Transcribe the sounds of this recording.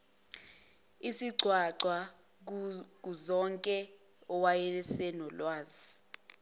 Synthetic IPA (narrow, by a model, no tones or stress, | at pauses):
isiɡ͡ǀʱwaǀwa | k̬uzɔŋkʼɛ | ɔwajɛɛsɛnɔlwaːzi